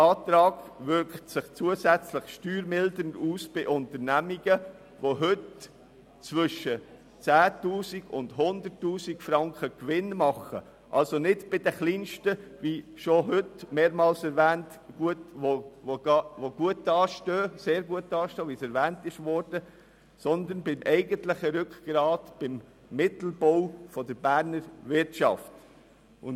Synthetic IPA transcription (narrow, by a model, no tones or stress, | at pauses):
ɑːt̪ɾɑːɡvʏɾktsɪχt͡suəzæt͡slɪχʃtyːɾmɪldənduːsb̥ɪʔʊntəɾnæmiɡə | ʋoɦɵt | t͡svʏʃːə | t͡sæːtuːsiɡʊ̰ndɦʊnd̪əɾtːuːsikfɾɑŋkəkvɪnmɑχə | ʔɑ̰lsonɪdb̥ɪdəχliːnʃtəviʃoɦʏtmeːɾmɑːlsɛɾvæːnt | ɡ̥uətʋoʋoɑʋoɡ̥uətːɑːʃtøːseːɾɡuətːɑːʃtøːʋisɛɾvæːntɪʃʋɔɾd̥ə | sɔnd̪ənbɪmʔɛɪɡəntlɪχəɾʏkɡ̥ɾɑːtb̥ɪmː | ɪtl̩bɔwfɔd̪əɾbæːɾnəɾvɪɾtʃɑ̰ft | ʊn